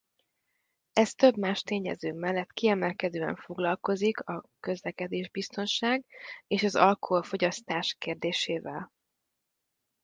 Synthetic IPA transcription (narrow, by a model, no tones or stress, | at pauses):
ɛst̪ø̞bmaːʃt̪eːɲɛ̰zøːmɛlːɛt̪kiɛmɛlkɛd̪øːɛ̰ɱfo̞ɡlɒlko̞zikɒkø̞zlɛkɛd̪eːʒbist̪o̞nʃaːɡeːʃɒzɒ̰lkoɦo̞lfo̞ɟɒst̪aːʃkeːrd̪eːʃeːvɛ̰l